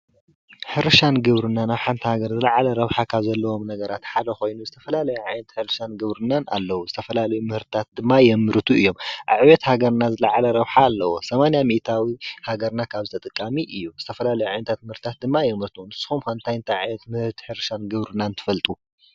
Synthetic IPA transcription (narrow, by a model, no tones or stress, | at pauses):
ħɨɾʃanɡɨβɾɨnːanaβħant̪ʰihaɡɐɾzɨlaʕalɐɾɐβħakʰaβzɐlːɐwo̞mnɐɡɐɾat̪ħad̪ɐxo̞jnuzɨt̪ʰɐfɐlalɐjuʕajnɐt̪ħɨɾʃanɡɨβɾɨnana̰lːɐwuzɨt̪ʰɐfɐlalɐjumɨhɨɾt̪t̪ʰat̪̚d̪ɨmːajɛmɨɾt̪ʰuɨjːo̞mʔa̰βʕβɛt̪haɡɐɾnazɨlɐʕalɐɾɐβħaːlːɐwo̞̰sɐmanijamiʔt̪ʰawihaɡɐɾnakʰaβzɨt̪ʰɐt̪ʼɨkʼːamiʔɨjːuz̥ɨt̪ʰɐfɐlalɐjuʕajnɐt̪ʰat̪̚mɨhɨɾt̪t̪at̪̚d̪ɨmːajɛmɾɨt̪ʰunɨsːɨ̥xumxɐnt̪ʰajnt̪ʰaʕjɛt̪mɨhɨɾt̪ħɨɾʃanɡɨβɾɨnːant̪ʰɨ̥fɐlt̪ʼu